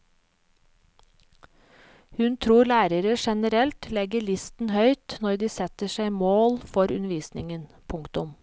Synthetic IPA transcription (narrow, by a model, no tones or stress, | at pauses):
hʉnt̪ʰɾuːlæːɾəɾəʃɛnəɾɛlt̪ʰlɛɡəɭɪst̪n̩hœʏt̪nɔɾd̪iːsɛt̪əʃæɪmoːlfɔɾʉnəʋiːsnɪŋənpʰʊŋkt̪ʊm